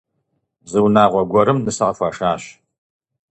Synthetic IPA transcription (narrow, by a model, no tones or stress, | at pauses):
zɨwnaːʁʷɔɡʷɔɾɨmnɨsɨqɐfʷaːʂaːɕ